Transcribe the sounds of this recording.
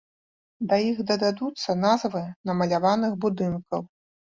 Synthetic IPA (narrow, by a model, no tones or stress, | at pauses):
d̪ɐjixd̪ɐd̪ʲad̪ut̪sːɐnazvɨnɐmɐlʲavanɨxbud̪ɨnkɐw